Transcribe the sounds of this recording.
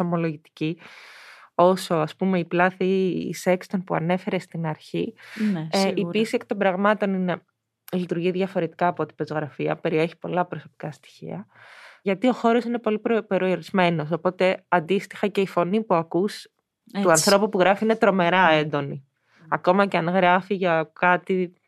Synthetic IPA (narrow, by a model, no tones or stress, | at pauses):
omo̞lo̞ʝit̪i̥ci | o̞so̞ɐspume̞iplɐθḭse̞kst̪o̞npuɐ̰ne̞fe̞ɾe̞st̪inɐɾçinipisieke̥t̪o̞mbɾɐɣmɐt̪o̞nine̞ | lit̪uɾʝiðʝɐfo̞ɾe̞t̪i̥kɐːpo̞t̪i̥pezoɣɾɐfiɐpe̞ɾieçi̥po̞lɐpɾo̞so̞pi̥kɐst̪i̥çḭɐʝɐt̪io̞xo̞ɾo̞sine̞po̞lipɾpeɾioɾizme̞no̞s̬o̞po̞t̪e̞ɐnd̪ist̪i̥xɐce̞ifo̞nipuɐkus | t̪uɐnθɾo̞pupuɣɾɐfiine̞t̪ɾo̞me̞ɾɐend̪o̞ni | ɐko̞mɐceɐnɣɾɐfiʝɐkɐt̪i